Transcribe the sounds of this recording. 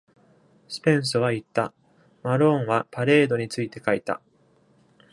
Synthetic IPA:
sɨ̥pẽ̞ɰ̃sɨβait̪ːa | maɾõ̞ɰ̃βapaɾe̞ːd̪o̞ɲ̟it͡sɨit̪e̞kait̪a̰

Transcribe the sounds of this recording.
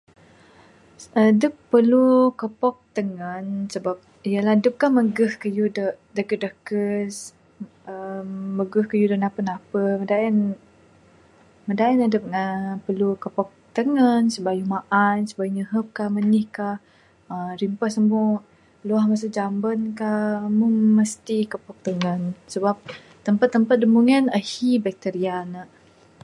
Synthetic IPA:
ədəpːəlukəpɔk̚t̪əŋənsəbap̚ | ijəladəp̚kahməɡəhkəjudə | dəkədəkəs | əːəɡəhkəjudənapənapəmədaʔɛn | mədaɛnadəp̚ŋəpəlukəpɔk̚t̪əŋənsəbajumaʔansəbajuɲəɦəp̚kahmənihkah | əɾimpəhsəmu | luahməs̬ʊk̚d͡ʒambənkahmuŋməst̪ikəpɔk̚t̪əŋənsəbap̚ | t̪əmpat̪ːəmpat̪̚dəmuŋənəhibɛk̚t̪əɾianəʔ

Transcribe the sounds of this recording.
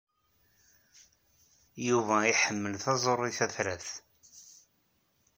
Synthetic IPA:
juvæiħəmːəlθɑzˤorˤːiθæθɾæθ

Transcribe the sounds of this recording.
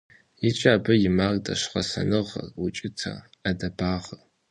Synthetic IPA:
jit͡ʃʼaːbɨjɪmardɐ̰ʃqɐsɐ̰nɨʁɐ̰rʊt͡ʃʼɪtʰɐ̰ | adɐbaːʁɐ

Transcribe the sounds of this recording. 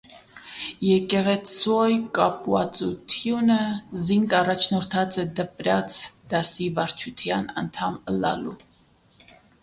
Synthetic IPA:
jɛkɛʁɛt͡sʰɔjkʼɑpwɑt͡sʼut̪ʰjunəziŋɡɑrɑt͡ʃʰnɔɾt̪ʰɑt͡sɛd̪əpɾɑt͡sʰd̪̥ɑsivɑɾt͡ʃʰut̪ʰjɑnɑ̰nt̪ʰɑməlɑ̰lu

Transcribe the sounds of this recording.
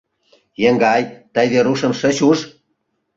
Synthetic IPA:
jeŋɡɑjt̪əjβeɾuʃə̆mʃə̆ɕuʃ

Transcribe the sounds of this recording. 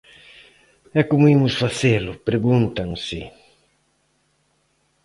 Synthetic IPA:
ɛkomʊimʊsfaθelʊpɾeɣũnt̪ɐŋsɪ

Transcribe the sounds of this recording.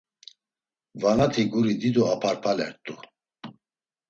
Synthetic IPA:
vanat̪ʰiɡuɾid̪id̪uapʰaɾpʰalɛ̰ɾt̪ʼu

